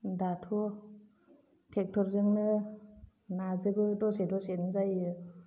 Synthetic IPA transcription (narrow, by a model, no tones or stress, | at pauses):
datʰɔ | tʰek̚tʰɔɾzɯŋnɯ | nazɯbɯdɔsedɔsetnɯzajɯ